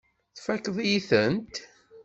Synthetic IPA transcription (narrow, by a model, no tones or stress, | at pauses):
θfækəðˤjiθənt̪